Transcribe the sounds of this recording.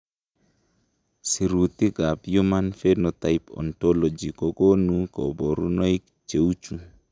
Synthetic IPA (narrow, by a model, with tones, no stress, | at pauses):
si˨ɾu˨t̪i˦ɡa˨pju˦ma˦nfe˦nɔ˨t̪a˨ɪpɔ̰˨ntɔ˦lɔ˨d͡ʒi˨kɔ˨ko˦nu˦kɔ̰˨bo˨ɾu˦nɔ˦i˦k | t͡ʃe˨u˦t͡ʃu˨